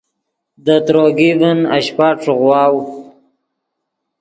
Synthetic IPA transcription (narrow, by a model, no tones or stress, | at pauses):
d̪ət̪ɾoɡivəna̰ɕpaʈ͡ʂɣwɑːw